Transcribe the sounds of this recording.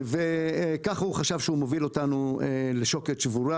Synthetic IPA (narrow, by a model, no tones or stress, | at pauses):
vekaχhuχaʃavʃeumovilo̞tanueleʃo̞ketʃvuɾa